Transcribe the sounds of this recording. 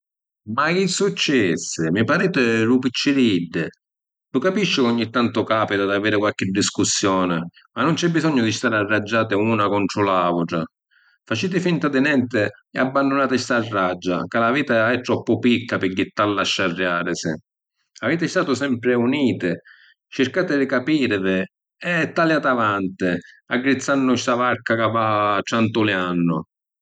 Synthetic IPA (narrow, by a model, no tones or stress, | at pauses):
makisut͡ʃːɛsːɪmipaɾiːt̪ɪɾupit͡ʃːɪɾid̪ːɪ | lʊkapiʃːɪɔɲːit̪ːant̪ʊkaːpit̪ad̪aveːɾɪkwalk̟ɪd̪ːiskusːjɔːnɪ | manːʊnt͡ʃɛbːizɔɲːʊd̪ist̪aːɾarːad͡ʒːaːt̪̬ɪuːnakɔnt̪ɾʊlaːvʊʈɾa̰ | fat͡ʃiːt̪̬ɪfint̪ad̪ɪnɛnt̪ɪɛabːand̪ʊnaːt̪ɪst̪arːad͡ʒːa̰kalaviːt̪aɛt̪ːɾɔpːʊpikːapɪkːɪt̪ːalːaʃːarːjaːɾɪsɪ̰ | aveːt̪ɪst̪aːt̪ʊsɛmpɾɪuniːt̪ɪ | t͡ʃɪɾkaːt̪ɪd̪ɪkapiːɾɪvɪ | ɛt̪ːaljaːt̪avant̪ɪ | aɡːɾit̪sːanːʊʃt̪avaɾkakavːatːant̪ʊlɪanːʊ̰